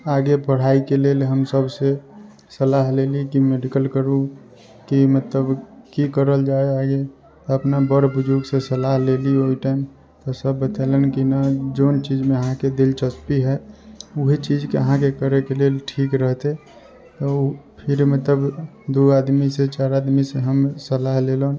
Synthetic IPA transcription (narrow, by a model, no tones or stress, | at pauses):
aɡepəɽ̤aikelelɦəmsəbse | səlaɦlelikimeɖikəlkəɾu | kimət̪ləbkikəɾəld͡ʒaeaɡe | t̪ɔəpnabəɾbʊd͡ʒuɡsesəlaɦlelioiʈaɪm | t̪ɔsəbːət̪alenkinad͡ʒont͡ʃiːd͡ʒmẽəɦãked̪ɪlt͡ʃəspiɦɛʊɦet͡ʃid͡ʒkeəɦãkekəɾekeleʈʰiːkɾəɦt̪e | t̪ɔpʰɪɾmət̪ləb | d̪uad̪miset͡ʃaːɾaːd̪miseɦəmsəlaɦlelon